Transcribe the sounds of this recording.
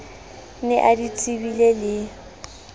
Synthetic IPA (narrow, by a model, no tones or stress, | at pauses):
nɪʔadit͡sʼibilelɪ